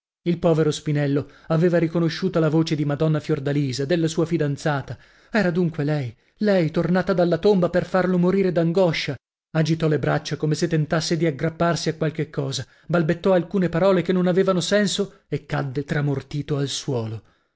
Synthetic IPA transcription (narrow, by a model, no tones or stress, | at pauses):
ilpɔːveɾospinɛlːoaveːvaɾikonoʃːuːt̪alavoːt͡ʃed̪imad̪ɔnːafjord̪aliːzad̪elːasuːafid̪ant̪saːt̪a | ɛːɾad̪uŋkwelɛj | lɛjt̪ornaːt̪ad̪alːat̪ombaperfarlomoɾiːɾed̪aŋɡɔʃːa | ad͡ʒit̪ɔlebɾat͡ʃːakomeset̪ːent̪asːed̪iaɡɾapːarsiakwalkekːɔːza | balbet̪ːɔalkuːnepaɾɔːlekenːonaveːvanosɛnso | ekːad̪ːet̪ɾamort̪iːt̪oalswɔːlo